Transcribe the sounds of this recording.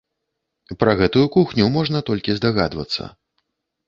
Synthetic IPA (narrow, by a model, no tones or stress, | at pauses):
pɾɐɣɛt̪ujukuxnʲumɔʐnɐt̪ɔlʲkʲizd̪aɣa̰d̪vɐ̰t̪sːɐ̰